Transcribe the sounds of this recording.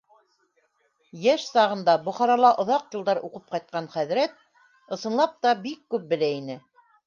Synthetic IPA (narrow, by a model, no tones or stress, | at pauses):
jæʃsɑʁɤ̆nd̪ɑbŏχɑɾɑlˠɑʔŏðɑqjɤ̆lˠd̪ɑɾuqɤp̚qɑjt̪̚qɑnχæðɾæt̪̚ | ɤ̆sɤ̆nlˠɑp̚t̪ɑbikːʉp̚bɘ̆læinɘ